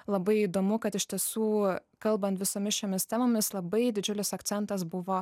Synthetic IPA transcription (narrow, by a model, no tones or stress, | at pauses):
lˠɐbɐɪiːd̪oːmʊkɐt̪ɪʃʲt̪ʲiɛsuːkɐlˠbɐnt̪ʋʲɪsoːmʲɪsʃʲoːmʲɪst̪ʲæːmoːmʲɪslˠɐbɐɪd̪ʲɪd͡ʒʲʊlʲɪsɐkt̪sʲɛnt̪ɐsbʊʋoː